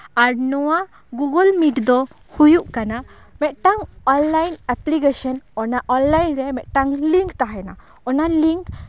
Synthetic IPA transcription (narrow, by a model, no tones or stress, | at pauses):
aɾnɔwa | ɡuɡəlmiʈd̪ɔ | hujuʔkana | mɛt̪̚ʈaŋɔnlajnɛplikesɔnɔnaʔɔnlajnɾɛmɛʔ̪̚ʈaŋliŋkt̪aɦɛna | ɔnaliŋk